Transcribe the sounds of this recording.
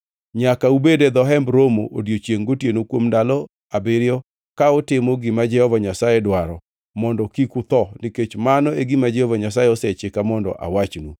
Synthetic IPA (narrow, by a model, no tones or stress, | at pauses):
ɲakaubeded̪ɔɦɛmbɾomo̰ʔodjot͡ʃjeŋɡotjenokwomndalɔ | abɪɾjɔ | kaɔtɪmɔɡɪmad͡ʒɛhɔvaɲasajɛdwaɾɔ | mɔndɔkikut̪ɔniket͡ʃmanɔeɡimad͡ʒɛhɔvaɲasajɛɔsɛt͡ʃɪkamɔndɔ̰ʔa̰wat͡ʃnu